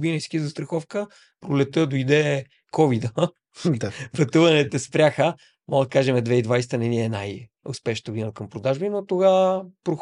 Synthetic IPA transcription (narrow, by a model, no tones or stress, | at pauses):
ɡinɛskʲizɐst̪ɾɐxɔfkə | pɾolɛt̪əd̪ojd̪ɛ | kɔvid̪ə | pɐt̪uvɐnɛt̪ɛspɾʲaxə | mɔɡd̪ɐkaʒɛmɛd̪vɛid̪vajst̪ənɛniɛnaj | ʊ̰spɛʃnət̪əɡod̪inəkəmpɾod̪aʒbinot̪oɣapɾox